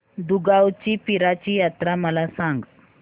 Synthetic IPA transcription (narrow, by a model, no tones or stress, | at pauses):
d̪uɡawt͡ɕiːpiɾat͡ɕiːjat̪ɾaməlasãŋɡ